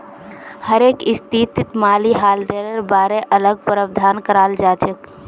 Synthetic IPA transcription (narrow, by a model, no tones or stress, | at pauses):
həɾeːkɪst̪it̪it̪maːliɦaːld̪eɾəɾbaːɾeʔələɡ̚pəɾəbd̪ʱaːnkəɾaːld͡ʒaːt͡ʃʰək